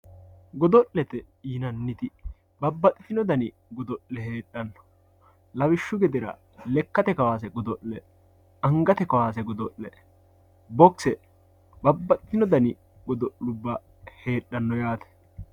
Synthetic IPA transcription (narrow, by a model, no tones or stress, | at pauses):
ɡɔd̪ɔʔlɛt̪ɛ | inɐnːɪt̪ɪ | bɐbːɐt̪ʼɪfɪnɔd̪ɐnɪ | ɡɔd̪ɔʔlɛhe̞ːɗːɐnːɔ̥ | lɐwɪʃːʊɡɛd̪ɪɾɐ̰ | lɛkːɐt̪ɛkɐwaːs̬ɛɡɔd̪ɔʔlɛ | ɐŋɡɐt̪ɛkɐwaːsɛɡɔd̪ɔʔlɛ | bɔksɛ | bɐbːɐt̪ʼɪfɪnɔd̪ɐnɪ | ɡɔd̪ɔʔlʊbːɐ | he̞ːɗɐnːɔjaːt̪ɛ̥